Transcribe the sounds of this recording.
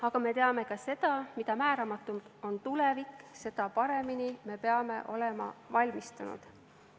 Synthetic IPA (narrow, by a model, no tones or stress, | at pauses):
ɑɡ̥ɑme̞t̪e̞ɑme̞kɑse̞d̪̥ɑmid̪̥ɑmæːɾɑmɑt̪ːˑumo̞nt̪ule̞vikse̞d̪ɑpɑɾe̞minime̞pe̞ɑme̞ʔo̞le̞mɑ̰vɑlʲmist̪unṵd̪̥